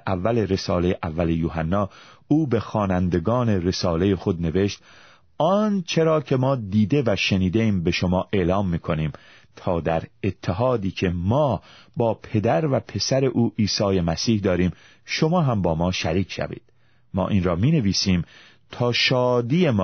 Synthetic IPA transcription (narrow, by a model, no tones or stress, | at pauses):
ævːæle̞ɾe̞sɒːlejeʔævːæle̞juːɦænːɒːuːbe̞xɒːnænd̪e̞ɡɒːne̞ɾe̞sɒːle̞jexo̞d̪ne̞ve̞ʃt̪̚ | ɒnt͡ʃʰe̞ɾɒːcʰe̞mɒːd̪iːd̪e̞væʃe̞niːd̪eiːmbe̞ʃomɒːʔe̞ʔlɒːmːiːkʰo̞niːm | t̪ʰɒːd̪æɾet̪ʰːeɦɒːd̪iːcʰe̞mɒːbɒːpʰe̞d̪æɾvæpʰe̞sæɾe̞ʔuːʔiːsɒːje̞mæsiːhd̪ɒːɾiːm | ʃomɒːɦæmbɒːmɒːʃæɾiːcʰʃæ̰vḭːd̪̥ | mɒ̰ːʔiːnɾɒːmiːne̞viːsiːm | t̪ʰɒːʃɒːd̪iːje̞mː